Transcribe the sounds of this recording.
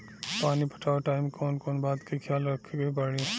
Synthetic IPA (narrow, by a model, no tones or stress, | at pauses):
paːnipʰə̥ʈʰaːʋʈaːɪmkɔːnkɔːnbaːd̪kekʰjaːlɾɐkʰːɡebəɽi